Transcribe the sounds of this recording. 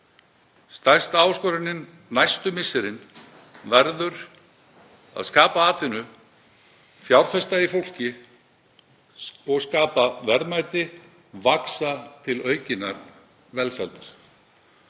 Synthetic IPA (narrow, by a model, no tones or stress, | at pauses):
st̪ajst̪aːwskɔɾɪnːɪnː | ajst̪ʏmɪsːɪɾɪn | vɛɾðʏɾ̥ | a̰ðskaːpaaːt̪vɪnʏ | fjawɾ̥θɛst̪aifowl̥cɪ | ɔɣskaːpavɛɾmajt̪ɪ | vaksat̪ʰɪlœːɥcɪnːaɾ | vɛlsalt̪ḁɾ̥